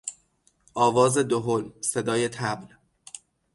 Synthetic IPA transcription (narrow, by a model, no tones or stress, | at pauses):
ʔɒːvɒːzed̪oɦolsed̪ɒːjet̪ʰæbl